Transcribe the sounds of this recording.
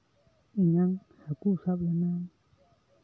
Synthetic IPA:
iɲãŋ | hakusaβenã

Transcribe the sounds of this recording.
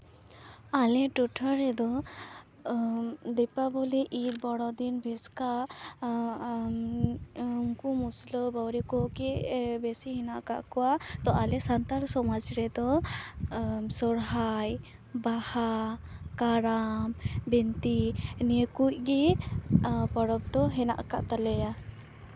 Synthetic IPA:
alɛʈuʈʰɔɾɛd̪ɔ | d̪ɛpabɔlɛʔit̪̚bɔɽɔd̪inbʱɛska | mkumuslɔbawɾikɔkebɛsiɦinaʔka̰ʔkɔwat̪ɔʔalɛsant̪aɾsɔmad͡ʒɾɛd̪ɔ | sɔɾɦaj | bahakaɾambɛnt̪inekuc̚ɡɛ | pɔɽɔb̚d̪ɔɦɛna̰ʔka̰ʔt̪alɛja

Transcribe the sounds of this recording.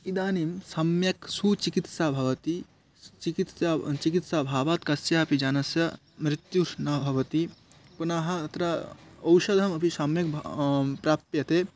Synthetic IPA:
id̪aːnimsɐmjɐksut͡ʃikit̪saːbʱɐʋɐt̪i | t͡ʃikit̪sat͡ʃikit̪sabʱaːʋaːt̪kɐsjɐɐpid͡ʒanɐsjɐ | mɾɪt̪juɾnabʱɐʋɐt̪i | punaɦɐɐt̪ɾɐɐwʃɐd̪ʱɐmɐpisɐmjɐkpɾaːpt̪jɐt̪e

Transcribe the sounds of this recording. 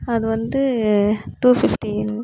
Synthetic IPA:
ɐðɯʋɐnd̪ɯʈuːfɪfʈiɛn

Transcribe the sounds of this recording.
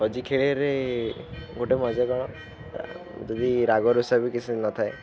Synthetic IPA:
ɔd͡ʒikʰeɭeɾe | ɡoʈemɔd͡ʒakɔɽ̃ɔ̰ | d͡ʒɔd̪iɾaɡɔɾisabikisʰinɔt̪ʰaj

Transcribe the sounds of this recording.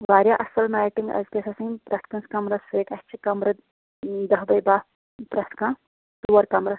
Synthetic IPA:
ʋaːɾjaʔɐsɐlmaːjʈiŋɡɐ̰zkesɐsɐ̃ŋpɾɐst̪̚ʰkɐnskɐmɾɐseːkɐst͡ʃʰikɐmɾɐ | d̪ɐɦbɐjbaː | pɾɐst̪ʰkãː | t̪uwɐɾkɐmɾɐ

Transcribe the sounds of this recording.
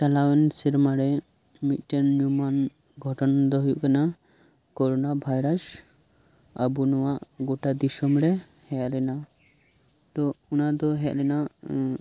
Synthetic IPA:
t͡ʃalawɛnsiɾmaɾɛ | mit̪̚ˀʈɛnɲuman | ɡʱɔʈɔnd̪ɔɦujṵʔkana | kɔɾɔnabʱajɾas | a̰bunɔwaʔɡɔʈad̪isɔmɾɛ | hɛalɛna | t̪ɔunad̪ɔɦɛaʔlɛna

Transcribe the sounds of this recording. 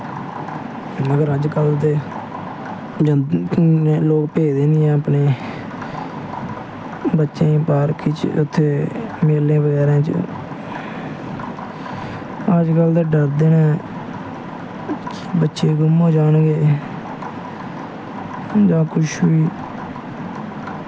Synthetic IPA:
məɡəɾəd͡ʒkəld̪eː | d͡ʒ | loːkpeːd̪ẽːniːɛ̃ːəpneː | bətːʃẽːpaːɾkʰit͡ʃʊt̪ʰːeːmeːlẽːbəɡɛːɾãːt͡ʃə̰ | əd͡ʒkəld̪eːɖəɾd̪eːnɛ̃ː | kː | bətːʃeːɡʊmoːd͡ʒaːnɡeː | d͡ʒãːkʊʃʰʋiː

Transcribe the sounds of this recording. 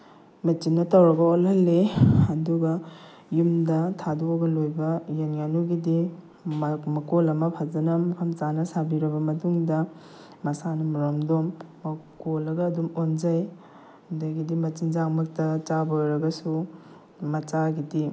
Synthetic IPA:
mɐt͡ʃinːɐtɐwɾɐɡɐolhɐlːeɐduɡɐ | jumdɐtʰaduɐɡɐlojbɐjenjanuɡidi | mɐkolɐmɐpʰazɐnɐmɐkʰɐmt͡ʃanɐsabiɾɐbɐmɐtuŋdɐ | mɐsanɐmɐɾomdomːkolɐɡɐːdumonzaj | dɐɡidimɐt͡ʃinzaŋmɐk̚tɐt͡ʃabɐojɾɐɡɐsu | mɐt͡ʃaɡidi

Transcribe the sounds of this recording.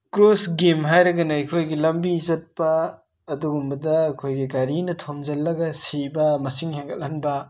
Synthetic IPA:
kɾosɡemɦajɾɐɡɐnɐikʰojɡilɐmbizɐt̚pɐː | duɡumbɐdɐːkʰojɡiɡaɾinɐtʰomzɐlːɐɡɐsibɐmɐsiŋheŋɡɐlɐnbɐ

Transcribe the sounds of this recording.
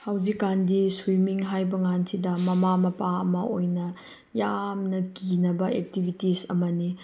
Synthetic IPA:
hawzikːandiswimiŋɦajbɐŋansidɐmɐmamɐpaɐ̰mɐojnɐ | jamnɐkinɐbɐek̚tibʱitisɐ̰mɐni

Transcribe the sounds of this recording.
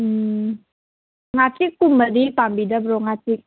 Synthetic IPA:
ŋat͡ʃɪkumədipambidabɾoŋat͡ʃɪk̚

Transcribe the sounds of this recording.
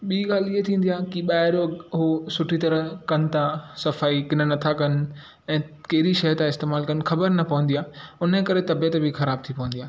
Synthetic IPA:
ɓiːɠaːliet̪ʰĩːn̆d̪iaːkiɓaːɪɾɦosʊʈʰit̪ɐɾəɦkɐnɪ̆t̪ãsɐfaːikɪnənɐt̪ʰakɐn̆ | ɛ̃ːkɐɦɪɾiʃɐɦt̪ãɪst̪eːmaːlkɐnɪ̆xɐbəɾnɐpɐʋə̃n̆d̪ijaːʊnə̆kɐɾet̪ɐbijət̪bɪxɐɾaːb̚t̪ʰipɐʋə̃n̆d̪iaː

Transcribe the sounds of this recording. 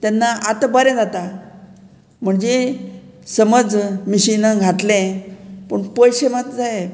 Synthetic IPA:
t̪janːaʔat̪əbəɾɛ̃d͡zat̪a | m̤əɳd͡ze | səməd͡zmiɕinəɡʱat̪lẽpəɳpəjɕemat̪d͡zae

